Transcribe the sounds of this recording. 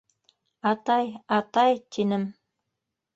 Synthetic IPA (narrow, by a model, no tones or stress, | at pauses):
ɑt̪ɑjɑt̪ɑjt̪ʰinɘm